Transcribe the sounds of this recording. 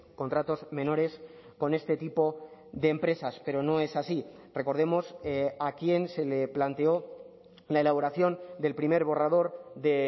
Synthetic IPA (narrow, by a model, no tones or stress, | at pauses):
ko̞nt̪ɾat̪o̞zmẽ̞no̞ɾe̞s | ko̞ne̞st̪e̞t̪ipo̞ðe̞ːmpɾe̞saspe̞ɾo̞no̞e̞sasi | re̞ko̞ɾð̞e̞mo̞sakje̞nse̞le̞plant̪e̞o̞ | lae̞laβ̞o̞ɾaθjo̞nd̪e̞lpɾime̞ɾβo̞raðo̞ɾðe̞